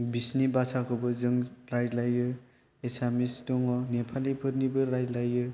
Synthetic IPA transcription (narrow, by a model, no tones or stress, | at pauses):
bisnibasakʰɯbɯzɯŋɾajlajɯ | esamistɔŋɔnepʰalipʰɯɾnibɯɾajlajɯ